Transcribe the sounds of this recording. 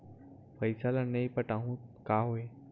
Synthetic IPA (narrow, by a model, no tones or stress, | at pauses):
pəjsalanəjpəʈaɦũːkaɦoe